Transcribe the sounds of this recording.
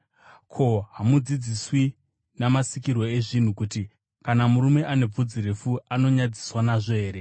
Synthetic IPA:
kʰo̞ɦamud͡zid͡ziswi | namasikirwo̞e̞ʐin̤ukuti | kanamuɾume̞ʔane̞b͡vud͡ziɾe̞fuano̞ɲad͡zi̥swanaʐo̞eːɾe̞

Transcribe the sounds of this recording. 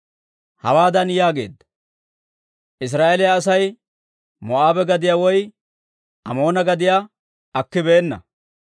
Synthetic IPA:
hɐ̰waːd̪ɐnjaːɡe̞̰ːd̪ːɐ | ʔɪs̬ɾaːʔelɪjaːs̬ɐj | mɔʔaːbɛɡɐd̪ɪjaːwɔj | ɐmo̞ːnɐɡɐd̪ɪjaː | ɐkːɪbe̞ːnːɐ̰

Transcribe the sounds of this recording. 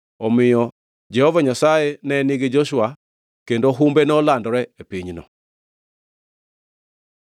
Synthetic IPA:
ɔmɪjɔ | d͡ʒɛhɔvaɲasaenɛniɡed͡ʒɔʃwa | kendoɦumbenɔlandɔɾɛepiɲnɔ̰

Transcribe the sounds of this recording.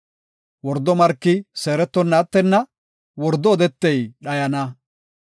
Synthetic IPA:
wɔɾd̪ɔmɐɾkːɪseːɾɛt̪ːɔnːɐːt̪ːɛnːɐ | wɔɾd̪ːɔːd̪ɛt̪ːɛjɗɐjɐnɐ

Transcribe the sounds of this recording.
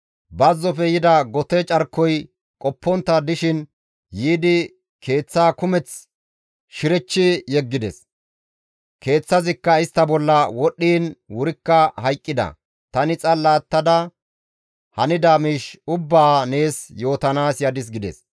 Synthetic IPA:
bɐzːɔfɛjɪd̪ɐɡɔt̪ɛt͡ʃʼɐɾkːɔj | kʼɔpːɔnt̪ːɐd̪ɪʃɪn | jiːd̪ɪ | kʰe̞ːt͡sːaːkʊmɛt͡s | ʃɪɾɛt͡ʃːɪjɛɡːɪd̪ɛs | ke̞ːt͡sːɐzɪkːɐɪst̪ːɐbɔlːɐwɔɗːiːnwʊɾɪkːɐhɐjkʼːɪd̪ɐ̰ | t̪ɐnɪt͡sʼɐlːaːt̪ːɐd̪ɐ | hɐnɪd̪amiːʃʊbːaːne̞ːsjo̞ːt̪ɐnaːsjɐd̪ɪs̬ɡɪd̪ɛ̰s

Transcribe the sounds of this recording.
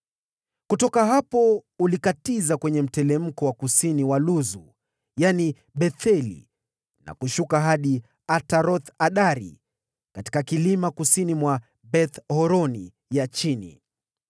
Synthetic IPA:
kutɔkaɦapɔulikatizakwɛɲɛm̩tɛlɛm̩kɔwakusiniwaluzu | jani | ɓɛθɛlḭ | na̰kuʃukaɦaɗi | ataɾɔθaɗaɾḭ | kati̥kakilimakusinimwa | ɓɛθhɔɾɔni | jat͡ʃinḭ

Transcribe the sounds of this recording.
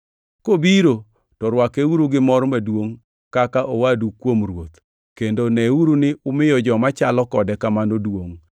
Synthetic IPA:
kobiɾo | tɔɾwakeuɾuɡɪmɔɾmadwoŋ | kakaʔowadukwomrwot̪ | kendonɛuɾunɪʊmɪjɔd͡ʒɔmat͡ʃalɔkɔdɛkamanodwoŋ

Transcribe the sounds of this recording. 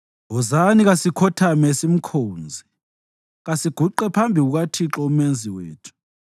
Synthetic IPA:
ɦɔzaniɣasikʰɔtʰamɛsim̩kʰoːnd͡zʱi | ɣasiɡ̥ʱuǃɛpʰambʱiɣuɣ̬atʰiǁɔumend͡zʱiweːtʰu̥

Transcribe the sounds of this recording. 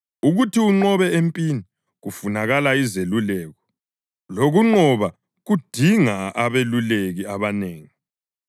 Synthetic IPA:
uɣutʰiuŋ͡ǃɔβɛempʼini | ɣufunaɣalaizelulɛːɣɔ | loɣuŋ͡ǃɔβa | ɣud̥ʱiŋaaβeluleɣiaβaneːŋi

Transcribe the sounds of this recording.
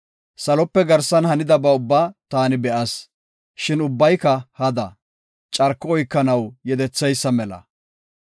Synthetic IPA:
sɐlɔpːɛɡɐɾsɐnhɐnɪd̪ɐbɐʊbːaːt̪aːnɪbɛʔɐs | ʃɪnʊbːɐjkɐhɐd̪ɐ | t͡ʃʼɐɾkːɔɔjkːɐnɐwjɛd̪ɛt͡sːɛjsːɐmɛlɐ̰

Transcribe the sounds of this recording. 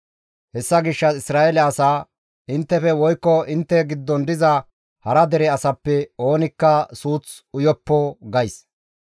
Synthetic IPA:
hɛsːɐɡɪʃːɐɪsɾaːɛlɛɐsaː | ɪnt̪ːɛfɛwɔjkːɔʔɪnt̪ːɛɡɪd̪ːɔnd̪ɪzɐ | hɐɾɐd̪ɛɾɛɐsɐpːɛo̞ːnɪkːɐsuːt͡s | ʊjɔpːɔɡɐjs

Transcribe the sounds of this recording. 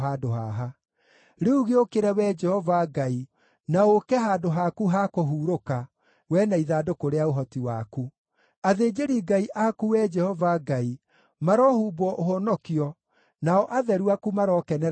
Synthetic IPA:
aːdoɦaɦa | ɾeuɣeokeɾɛwɛːd͡ʒɛhɔvaɡai | naokɛɦadoɦakuɦakoɦuːɾoka | wɛnaiðadokoɾeaoɦɔtiwaku | aðeːd͡ʒeɾiɡaiʔakuwɛd͡ʒɛhɔvaɡai | maɾɔːhuːbɔʔoɦɔnɔkiɔ | naɔʔaðɛɾuakumaɾɔːkɛnɛ

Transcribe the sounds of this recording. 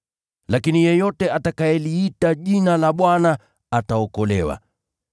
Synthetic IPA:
lakinijɛjɔtɛʔatakajɛliitaʄinalaɓwana | ataɔkɔlɛwa̰

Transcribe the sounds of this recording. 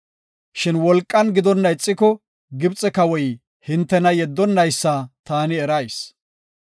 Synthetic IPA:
ʃɪnwɔlkʼːɐnɡɪd̪ɔnːɐɪt͡sʼːɪkɔ | ɡɪbt͡sʼːɛkɐwɔj | hɪnt̪ːɛnɐjɛd̪ːɔnːɐjsːɐt̪aːnɪɛɾɐjs

